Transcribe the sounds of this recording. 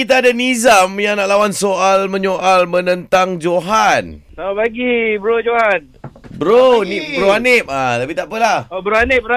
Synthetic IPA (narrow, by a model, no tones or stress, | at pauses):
kit̪̬aːdanizamjaŋnaʔlawansoʔalmə̃ɲoʔalmə̃nə̃nt̪aŋd͡ʒoɦansaabaɡibəɾod͡ʒohan | bəɾonibəɾoanɪp̚alapit̪aʔpəlahobəɾoanɪbɾoa